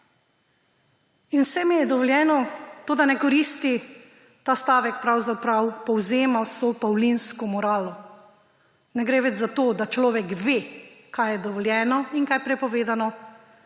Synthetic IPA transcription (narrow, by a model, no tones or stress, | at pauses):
inwsɛmijɛd̪ɔʋɔljɛːnɔt̪oːd̪anɛkɔɾist̪i | t̪aːst̪aːʋɛkpɾawzapɾawpɔwzeːmasopawlinskɔmɔɾaːlɔ | nɛɡɾeːʋɛd͡ʒzat̪oːd̪at͡ʃlɔːʋɛkʋekajjɛd̪ɔʋɔljɛːnɔinkajpɾɛpɔʋeːd̪anɔ